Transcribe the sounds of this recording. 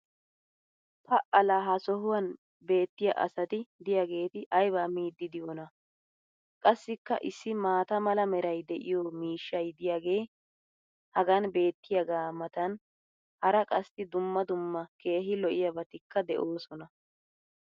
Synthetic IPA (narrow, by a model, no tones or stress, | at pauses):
pʰɐʔɐlaːɦɐsɔɦʊwɐn | be̞ːt̪ːɪjɐ̰ʔɐ̰sɐt̪ɪd̪ɪjaːɡe̞ːt̪ɪʔɐjbaːmiːd̪ːɪd̪ɪjɔnɐ | kʼɐsːɪkːɐ̰ʔɪsːɪmaːt̪ɐmɐlɐmɛɾɐjd̪ɛʔɪ̰jɔːmiːʃːɐjd̪ɪjaɡe̞ː | hɐɡɐnbe̞ːt̪ːɪjɐɡaːmɐt̪ɐn | hɐɾɐkʼɐst̪ɪd̪ʊmːɐd̪ʊmːɐke̞ːɦɪlɔʔɪjɐbɐt̪ɪkːɐd̪ɛʔo̞ːsɔnɐ